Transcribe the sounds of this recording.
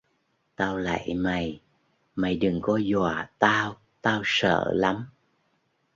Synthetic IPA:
t̪aː˧wla̰˧˨jma˨˩j | ma˨˩jɗɨ˨˩ŋkɔ˨˦zwa̰ː˧˩t̪aː˧w | t̪aː˧wsə̰ː˧˨la˨˦m

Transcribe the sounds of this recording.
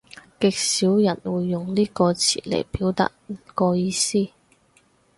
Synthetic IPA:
kɪ˨k̚siː˨˥wjɐ˨˩nwuː˨˧jːʊ˨ŋliː˥kɔː˧t͡sʰḭː˨˩lḛ˨˩jpiː˨˥wt̪ɐ̰˧k̚m̩˨˩kɔː˧jiː˧siː˥˩

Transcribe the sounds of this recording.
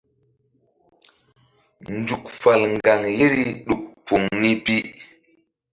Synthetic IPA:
nd͡ʒu˨kfa˨lŋɡa˨ŋje˦ɾi˦ɗu˨k̚pu˨ŋni˦pi˦

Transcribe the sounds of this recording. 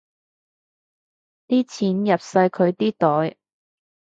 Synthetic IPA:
t̪iː˥t͡sʰiː˨˥njɐ˨p̚sɐ˧jkʰɵ˨˧ɥt̪iː˥t̪ɔː˨˥j

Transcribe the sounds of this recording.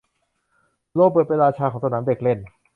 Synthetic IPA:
loː˥˩k̚pːəɤː˨˩t̪̚pa˧nɾaː˧t͡ɕʰaː˧kʰɔː˩˦sa˧naː˩˦mde˨˩k̚le˥˩n

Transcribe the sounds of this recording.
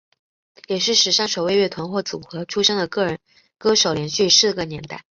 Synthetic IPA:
jɛ˨˩ʂɻ̩˥˩ʂɻ̩˨˩ʂɑ˥ŋʂo˨˩we˥˧ɪɥɛ˥˩t̪ʰwa˧˥nxwɔ˥˩t͡sṵ˨˩xɤ˧˥ʈ͡ʂʰu˥ʂɤ˥ŋd̪ə˨kɤ˥˩ɻə˧˥n | kɤ˥ʂo˨˩ʊljɛ˧˥nɕy˥˩ʂɻ̩˥˩ɡə˩njɛ˧˥nt̪a˥˩ɪ

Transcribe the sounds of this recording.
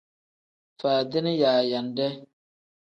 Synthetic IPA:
faː˨dɪ˦nɪ˦jaː˨ja˨ndɛ˦

